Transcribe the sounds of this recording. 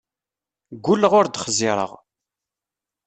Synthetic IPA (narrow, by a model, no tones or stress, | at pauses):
ɡʷːulːəʁʊɾd̪χzɪɾˤə̰ʁ